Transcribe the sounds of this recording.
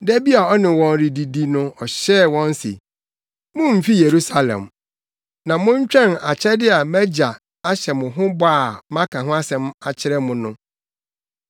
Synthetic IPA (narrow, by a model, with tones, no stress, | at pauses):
dæ˦bi˦a˨ɔ˦nɪ̃˨wɔ̃˨nɾi˨di˨di˦nʊ̃˦ɔ˨ɕɛ˦˨wɔ̃˦n˦sḛ˨ | mʊ̃˦m̩˨fi˦je˨ɾu˦sa˨lɛ̰̃˨m | nã˨mʊ̃˦ɲ̩˦t͡ɕᶣɛ̃˦˨na˨t͡ɕʰɪ˦ɾɛ˦dɪ˦a˨mæ˦d͡ʑa˨ | a˦ɕɛ˨mʊ̃˨ɦʊ̃˦ba˦˨mã˦kʰã˨ɦʊ̃˦a˦sɛ̃˨ma˨t͡ɕʰɪ˦ɾɛ˦mʊ̃˨nʊ̃˦